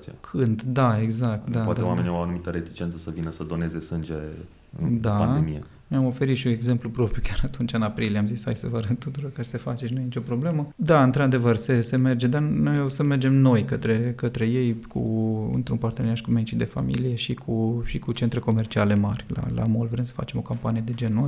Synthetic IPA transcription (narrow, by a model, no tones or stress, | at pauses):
ia̰kʰɨnd̪d̪ae̞ɡzak̚t̪d̪aat̪ewameniawanumit̪əɾet̪i̥t͡ʃe̞nsəsəvinəsəd̪o̞ne̞ze̞sɨnd͡ʒe | ɨ̰d̪aaemije | neamo̞fe̞ɾit̪ʃiune̞ɡze̞mplupɾo̞pɾijukʲjaɾat̪unt͡ʃʲɨnapɾiliamzishajsəvəɾət̪ut̪uɾo̞rkasefat͡ʃenojnit͡ʃʲo̞pɾo̞bleməd̪aɨnt̪ɾead̪e̞vərse̞se̞me̞rd͡ʒe̞d̪anojosəme̞rd͡ʒe̞mno̞jkət̪ɾe̞kət̪ɾe̞je̞jkʰṵɨ̰nt̪ɾunpart̪eneaʃkument͡ʃid̪e̞fa̰mḭlije̞ʃikʰuʃikut͡ʃe̞nt̪ɾe̞ko̞mert͡ʃiale̞marʲla̰la̰molvɾemsə̥fat͡ʃe̞mo̞kampanije̞d̪e̞d͡ʒe̞nːo